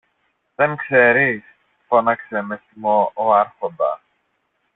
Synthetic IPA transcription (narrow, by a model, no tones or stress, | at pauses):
ðeŋkseɾis | fonɐkse̞mesimooɐɾxo̞nd̪ɐ̰